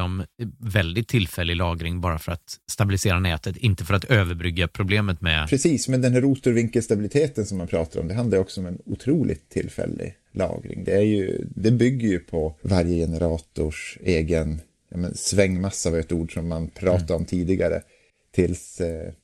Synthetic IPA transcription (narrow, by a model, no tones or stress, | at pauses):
ɔmvɛld̪ɪt̪ʰːɪlfɛlːɪlɑːɡɾɪŋbɑːɾafœɾat̪st̪abɪlɪseːɾanɛːt̪ʰət̪ɪnt̪əfœɾat̪øːvəɾbɾʏɡːapʰɾʊbleːmət̪mɛ̰pʰɾɛsiːsmɛnd̪ɛnɦæɾːuːt̪ʊɾvɪŋkəlst̪abɪlɪt̪ʰeːt̪ənsɔmːanpʰɾɑːt̪aɾɔ̰md̪ɛɦand̪aɾɔksɔɔmɛnʊt̪ʰɾuːlʔɪ̰ɡt̪ʰːɪlːfɛ̰lːɪ̰ | lɑ̰ːɡɾɪ̰ŋd̪ɛæɾjɵ̰d̪ɛbʏɡːəɾjɵpʰɔvaɾjəjɛnəɾɑːt̪ʊʂeːɡən | jɑːmɛnsvɛŋːmasːaːvɛt̪uːɖʂɔmːanpʰɾɑːt̪aɾɔmt̪ʰiːd̪ɪɡaɾə̰ | t̪ʰɪls